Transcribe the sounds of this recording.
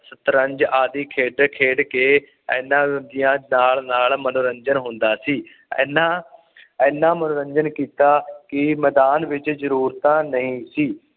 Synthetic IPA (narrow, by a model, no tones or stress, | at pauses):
sət̪ɾə̃ɲd͡ʒaːd̪iːkʰeːɖkʰeːɖkeː | ɛ̰ːnːãːd̪ɪjãːnaːlnaːlmənoːɾəɲd͡ʒənɦʊ̃nd̪aːsiː | ɛːnãː | ɛːnːãːmənoːɾəɲd͡ʒənkiːt̪aːkɪmɛːd̪aːnʋɪt͡ʃzəɾuːɾt̪ãːnəĩːsiː